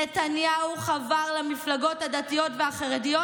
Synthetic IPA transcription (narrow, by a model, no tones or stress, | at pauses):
etanjauχavaʁlamiflaɡo̞thadatijo̞tveaχaʁedijo